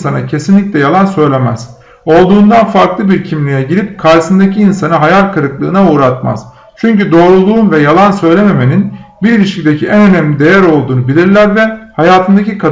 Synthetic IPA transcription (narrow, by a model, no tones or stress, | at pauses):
sanacʰe̞sinlʲicʲlʲɛjalˠansø̞jlʲe̞mæz̥ | o̞lˠd̪uːnd̪anfaɾklˠɯbiɾcʰimlʲijɛɟiɾʲip̚kʰaɾsɯnd̪aciːnsanɯɦajaɾʲkʰɯɾɯklˠɯːnauːɾat̪ma̰z̥ | t͡ʃʰyɲcyd̪o̞ːɾulˠuːnvɛjalˠansø̞jlʲe̞me̞me̞ninbiɾilʲiʃcid̪e̞cʰiʔænønæmlʲid̪e̞jæɾo̞lˠd̪uːnubilʲiɾlʲæɾvɛhajaːt̪ʰɯnd̪acikʰa